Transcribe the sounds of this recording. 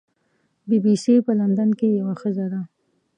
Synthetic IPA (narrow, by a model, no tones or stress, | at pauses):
bibisipəland̪ankejawaxəzad̪a